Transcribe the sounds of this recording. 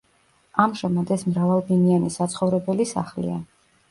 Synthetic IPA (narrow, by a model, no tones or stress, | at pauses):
amʒɛmad̪ɛsmɾavalˠbinianisat̪sʰχɔvɾɛbɛlisa̰χlḭa̰